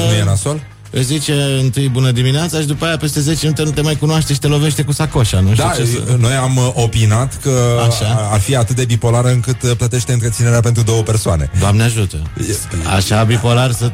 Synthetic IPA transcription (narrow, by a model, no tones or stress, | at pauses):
nujenasol | ɨzit͡ʃe̞ɨnt̪ɨjbunəd̪imineat̪saʃid̪upajape̞st̪e̞ze̞t͡ʃenut̪enut̪emajkunoaʃt̪eʃi̥t̪elo̞ve̞ʃt̪e̞kusakoʃanuʃtd̪iat͡ʃḛno̞jamʔo̞pinat̪kəaʃaarfiat̪ɨt̪̚d̪e̞bipo̞laɾəɨŋkɨt̪plət̪e̞ʃt̪eɨnt̪ɾet̪ineɾeap̬e̞nt̪ɾud̪o̞wəpe̞rsoane̞̰d̪oamneaʒut̪əjea̰ʃabipo̞larsɨ